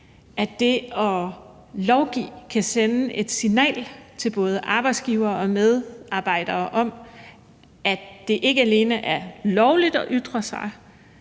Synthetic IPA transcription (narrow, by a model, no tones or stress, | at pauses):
ʔæd̥e̝ɒ̽ | lɒʊɡ̥ḭːkʰæsenəʔe̝d̥sinɛ̰ːlt͡sʰe̝lb̥ɔ̽ːð̞ˠəʔɑ̈ːb̥ɑ̈ɪd̥sɡ̥iʊɐːɒ̽með̞ˠɑ̈ːb̥ɑ̈ɪ̰d̥ɐːʔɒ̽m | ʔæd̥e̝ʔe̝ɡ̥əæle̝ːnəʔæɐlɒʊlid̥ɒ̽ʔyd̥ʁɐsɑ̈ɪ